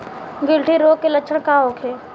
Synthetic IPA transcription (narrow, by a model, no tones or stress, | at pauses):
ɡɪlʈʰiɾoːkːeləkʃʰəɳkaːoːkʰeː